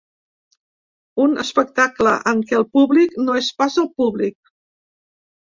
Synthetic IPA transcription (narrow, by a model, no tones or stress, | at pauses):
unə̰spək̚t̪akləʔəŋkɛəlˠpuβliknoespazəlˠpuβlik̚